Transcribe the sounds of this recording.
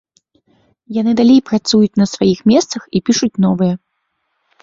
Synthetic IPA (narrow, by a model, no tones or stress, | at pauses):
janɨd̪alʲejpɾat̪sujut͡sʲnɐsvajixmʲɛst̪sɐxipʲiʂut͡sʲnɔvɨjɛ